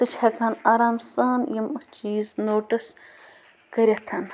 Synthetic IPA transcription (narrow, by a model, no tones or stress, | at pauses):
t̪ɨt͡ʃʰɐkaːnaɾaːmsaːnjimɐt͡ʃiːznoːʈɨs | kəɾʲɐt̪ʰɐn